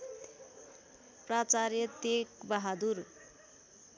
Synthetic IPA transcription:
prat͡sarjʌt̪ekbaɦad̪ur

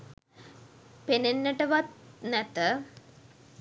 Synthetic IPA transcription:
penenːəʈəʋat̪̚nɛt̪ə

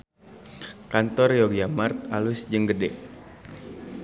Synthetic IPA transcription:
kant̪ɔrjoɡjamart̪̚alusd͡ʒəŋɡədɛʔ

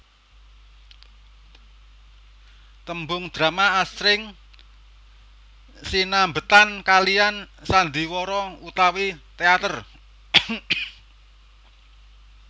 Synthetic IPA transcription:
t̪əmbʊŋd̪̥ɾamaːsɾɪŋ | sinambət̪ankaliansand̪i̤wɔɾɔut̪awit̪eat̪ər

